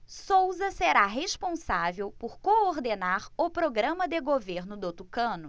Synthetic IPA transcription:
sowzɐseɾaɦespõsavewpoɾkooɾd̪enaɾʊpɾoɡɾɐ̃mɐd̪eɡoveɾnʊd̪ot̪ukɐ̃nʊ

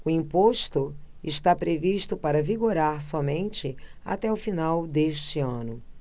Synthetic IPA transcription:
ʊĩpoʃt̪ʊ | ɪʃt̪apɾeviʃt̪ʊpaɾɐviɡoɾaɾsɔmẽnt͡ʃɪa̰t̪ɛʊfinawd̪eʃt͡ʃɪɐ̃nʊ

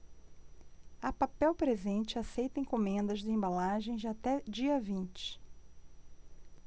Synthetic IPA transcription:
ɐpapɛwpɾezẽnt͡ʃɪasejt̪ẽj̃kõmẽnd̪ɐzd͡ʒ̪ɪẽmbalaʒẽj̃d͡ʒat̪ɛd͡ʒiɐvĩnt͡ʃɪ̥

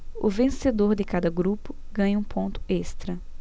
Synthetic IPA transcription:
ʊ̰vẽsed̪oɾd̪ɪkad̪ɐɡɾupʊ | ɡɐ̃ɲɐũpʰõnt̪ʊ̥est̪ɾɐ

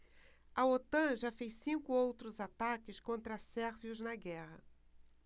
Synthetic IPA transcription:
ɐot̪ɐ̃ʒafejssĩŋkʊowt̪ɾʊzat̪akɪskõnt̪ɾɐsɛɾviʊznɐɡɛhɐ̰

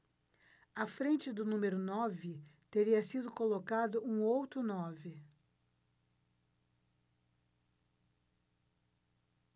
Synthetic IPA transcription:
ɐfɾẽnt͡ʃɪd̪ʊnũmeɾʊnɔvɪt̪eɾiɐsid̪ʊkolokad̪ʊʔũowt̪ɾʊnɔvɪ

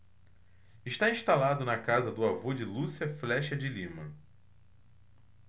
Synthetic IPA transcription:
ɪʃt̪aĩʃt̪alad̪ʊnɐkazɐd̪ʊavod͡ʒɪlusiɐflɛʃɐd͡ʒɪlĩmɐ

